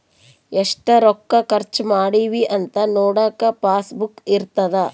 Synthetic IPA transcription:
eʂʈɐɾɔkːɐkɐɾt͡ʃmaːɽiʋiʔɐnt̪ɐnɔːɽaːkɐpaːsbukiɾt̪ɐd̪ɐ

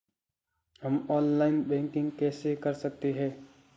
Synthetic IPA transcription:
ɦəmɔːnlaːɪnbɛ̃ːŋkɪ̃ŋɡkɛːsekəɾsək̚t̪iɦɛː

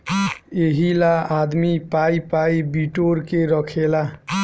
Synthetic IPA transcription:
eɦilaad̪mipajpajbiʈoɾkeɾʌkʰela

